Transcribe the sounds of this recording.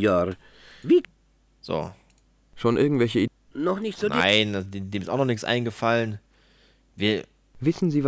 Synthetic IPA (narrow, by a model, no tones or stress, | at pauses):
jaɾ | viː | z̥o̰ː | ʃoːnʔɪɐɡŋ̩tv̥ɛlçəi | nɔχnɪçtz̥oːnʔḭɪnadedeːmɪstʔaʊnɔχnɪçt͡sʔa̰ɪnɡəfalən | viːɐ | vɪsn̩ziːv